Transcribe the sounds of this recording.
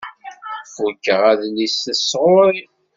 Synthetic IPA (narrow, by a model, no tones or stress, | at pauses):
fukːəʁæðlisəsʁʊɾi